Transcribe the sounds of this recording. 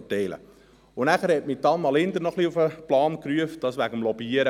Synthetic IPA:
tɛɪlə̰ | ʊnæχəɾhɛt̚mitɑnmɑlɪnd̪əɾnɔχliufəplɑːnkryəft̚d̥ɑsʋæɡəmlɔbiəɾə

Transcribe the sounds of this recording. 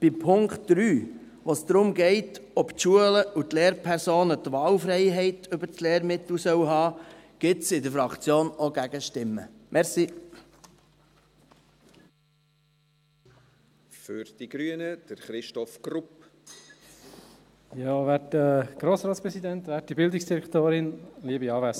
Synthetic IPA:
b̥ɪpʰʊŋktd̪̥ɾyː | ʋosd̪̥ɾʊmɡɛɪtɔptʃuələut̪leːɾpʰɛɾsoːnətʋɑːlfɾɛɪɦɛɪtʰʏbəɾsleːɾmɪt̪l̩sœwɦɑːɡ̥ɪtsɪdəfɾɑkt͡sjoːnoɡæɡəʃtɪmːə̰mɛʁsi | fʏɾd̥iɡ̥ɾyənəd̥əɾχɾɪʃtɔfɡrup | jɑːʋɛːtəɡ̥ɾoːsɾɑːtspɾɛsid̪ɛnt̪ʋæːtdibɪld̪ɪksd̥iɾɛkt̪oːɾɪnliəbiɑːvæs

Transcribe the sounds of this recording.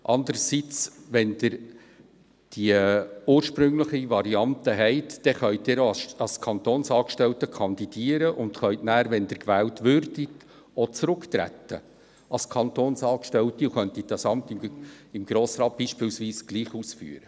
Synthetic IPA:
ʔɑndəɾəsit͡sʋɛndɪɾ | d̥iəuːəɾʃpɾʏŋləχivɑɾiɑnt̪əɦɛɪtd̥ɛχœʏt̚dɪɾɑskʰɑnt̪oːnsɑːkʃtɛltəkʰɑnd̥̪id̥iːəɾəʔʊnd̪χœʏtnæːɾʋɛnd̥̪ɪɾkvæːltvʏrd̥it | ot͡sɾʊktɾæ̰tːə̰ | ɑskʰɑnt̪oːnsɑːkʃtɛltiuχœnt̪it̚d̥ɑsɑmp̚tɪmɪmɡ̥ɾoːsɾɑːt̚b̥iːʃpɪlsviːsɡ̥liːχuːsfy̰ːəɾə

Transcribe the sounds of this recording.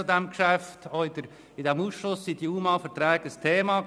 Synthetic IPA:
ud̪ɛmkʃæft̪ʰɔɪd̥̪əɾ | ɪdɛmuːsʃlʊsːid̥̪iuːmɑfəɾt̪ɾɛːɡ̥əəst̪ʰeːmɑ

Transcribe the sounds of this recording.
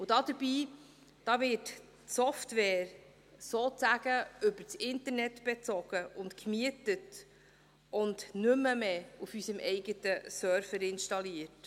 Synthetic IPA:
ʊd̥ɑːd̥̪əɾb̥iː | d̥ɑːvɪt | sɔftʋɛːɾ | soːt͡sæɡ̥əʏbəɾt͡sɪntəɾnɛtb̥ɛt͡sɔɡ̥əʊntkmiətət | ʔʊndnʏmːəmeːufysəmʔɛɪɡətəsœɾfəɾɪnʃtɑliət

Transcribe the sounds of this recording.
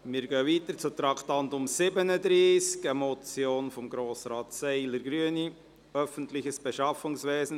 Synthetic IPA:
mɪːɾɡøːviːt̪əɾt͡sʊt̪ɾɑkʰt̪ɑntʊmsɪbənəd̪ɾiːskəmɔt͡sjoːnfɔmɡɾoːsɾɑːtsɛɪləɾɡɾyəni | œfən̩tlɪçəsb̥ɛʃɑfʊŋsveːsn̩

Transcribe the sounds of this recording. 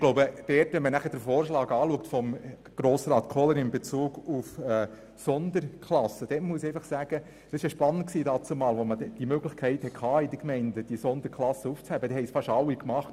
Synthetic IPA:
ɡ̥loʊbəd̥ɛːrtʋɛnmənæχəd̥əɾfoːrʃlɑːɡɑːluək̚tfɔm | ɡ̥ɾoːsɾɑːt̪kʰɔləɾɪmbet͡suːɡufɛː | sɔnd̪əɾkʰlɑsəd̥ɛːtmuəsɛɪfɑχsæːɡ̥ə | d̥ɑsɪʃəʃpɑnːəntksiːdɑːt͡sumɑːlʋɔmədɛd̥imøɡlɪχkʰɛɪthɛkʰχɑːid̪əkmɛɪndəd̥isɔnd̪əɾkʰlɑsːəuft͡shæb̥əd̥ɛhɛɪsfɑʃɑlːikmɑχt

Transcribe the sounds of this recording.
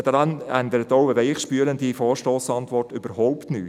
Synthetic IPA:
dəɾɑnænd̪əɾətoʊɛvɛɪχʃpyːəɾənd̪ifɔːʃtoːsɑntʋɔrtybəɾhɔʊptny̰ː

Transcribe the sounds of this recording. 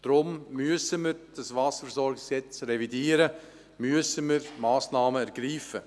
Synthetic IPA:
d̥ɾʊmːyəsəməɾd̥ɑsʋɑːsəɾfɛsɔɾɡɪkɛt͡sɾɛvidiːəɾə | myəsəməɾmɑːsnɑːməæɾɡ̥ɾiːfə

